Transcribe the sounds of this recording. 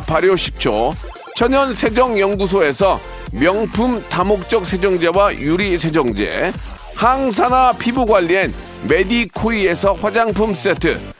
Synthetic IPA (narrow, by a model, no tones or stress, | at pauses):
paɾjoɕʰi̥k̚t͡ɕʰo̰ | t͡ɕʰʌɲʌnsʰe̞d͡ʑʌŋjʌŋɡus̬ʰoe̞sʰʌ | mjʌŋpʰumtamok̚t͡ɕ͈ʌk̚sʰe̞d͡ʑʌŋd͡ʑewajuɾisʰe̞d͡ʑʌŋd͡ʑe̞̰ | haŋs̬ʰanapʰibuɡwaʎːien | me̞dikʰoie̞sʰʌɸwad͡ʑaŋpʰums͈etʰɯ̰